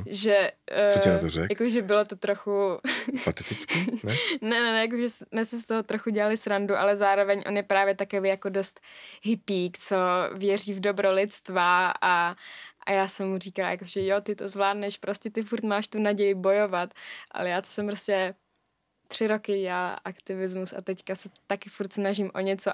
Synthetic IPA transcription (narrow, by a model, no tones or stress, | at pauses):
ʒɛɛat̪orɛ̰jakoʒɛbɪlot̪ot̪ɾoxupat̪ɛt̪ɪt͡skinɛnɛnɛnɛjak̬oʒɛsmɛsɪs̬t̪oɦot̪ɾoxuɟɛlalɪsɾanduʔa̰lɛzaːɾovɛɲʔo̞njɛpɾaːvjɛt̪akovejako̞dost̪ɦɪpiːkt͡sovjɛriːvdobɾolɪt̪t͡st̪vaaʔa̰jaːsɛmːuriːkalaja̰koʒɛjot̪ɪt̪ozvlaːdnɛʃpɾo̞scɛt̪ɪfuɾt̪maːʃt̪unaɟɛjɪbo̞jo̞vat̪ʔa̰lɛjaːt̪o̥sɛmpɾoscɛ | t̪r̝̥ɪɾo̞kɪɟɛalʔakt̪ɪvɪzmusa̰t̪ɛckasɛt̪akɪfuɾt̪snaʒimʔoɲɛt͡so